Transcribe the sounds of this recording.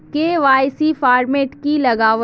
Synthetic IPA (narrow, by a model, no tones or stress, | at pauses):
keʋaːɪsifaːɾmeːʈkilɐɡaːʋə